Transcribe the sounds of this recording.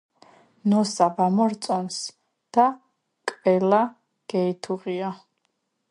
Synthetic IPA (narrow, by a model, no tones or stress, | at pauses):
nɔsabamɔɾt̪sʼɔns | d̪̥a | kʼvɛla | ɡ̥ɛit̪ʰuʁia